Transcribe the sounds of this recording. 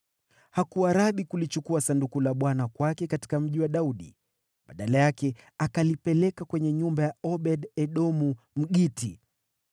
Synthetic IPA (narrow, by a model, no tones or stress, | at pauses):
hakuaɾaɓikulit͡ʃukuasandukulaɓwanakwakɛkati̥kam̩ʄiwaɗauɗḭ | ɓaɗalajakɛakalipɛlɛkakwɛɲɛɲumbajaɔɓɛɗɛɗɔmu | m̩ɠiti